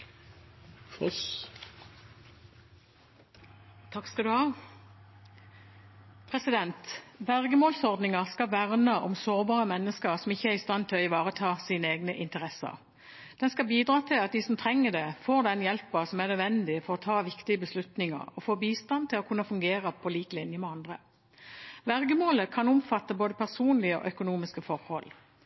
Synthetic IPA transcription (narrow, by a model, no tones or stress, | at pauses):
ɔs | t̪ʰɑkskɑd̪ʉhɑː | pʰʁɛsɪd̪ɛnt̪bæʁɡəmoːlsɔʁd̪nɪŋəʁskɑʋæʁnəʔɔ̰msoːʁbɑːʁəmɛnːəskəʁsɔmɪçːəæʁɪst̪ɑnt̪ʰɪlɔɪʋɑːʁət̪ʰɑːsiːnəeːɡnəʔɪnt̪əʁɛsə̰ʁ | d̪̥ɛnskɑbiːd̪ʁɑːt̪ʰɪlɑt̪̚d̪iːsɔmt̪ʰʁɛŋːəd̪ɛfoːʁd̪ɛnjɛlpəsɔmæʁnœd̪ʋɛnd̪ɪfɔʁɔt̪ʰɑːʋɪkt̪ɪəbəslʉt̪nɪŋə̰ʁɔfoːbiːst̪ɑnt̪ʰɪlɔkʰʉnːəfʉŋɡeːʁəpʰɔliːklɪnjəmɛɑnd̪ʁə | ʋæʁɡəmoːləkʰɑnʊmfɑt̪ːəboːd̪əpʰæʁsuːnlɪəɔ̰ʔœkʊnuːmɪskəfɔʁhɔ̰l